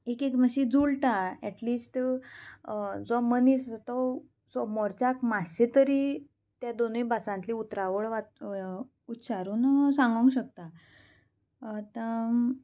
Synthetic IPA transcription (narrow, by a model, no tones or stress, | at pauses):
ekekməɕid͡zulʈaɛʈliːsʈ | d͡zɔmənist̪ɔ | sɔmɔɾt͡ɕakmaɕet̪əɾiː | t̪jad̪onĩbʱasãnt̪liːut̪ɾaʋəɭʋa | ut̪ɕaɾuːnsãŋɡə̃ŋɡɕək̚t̪a | t̪a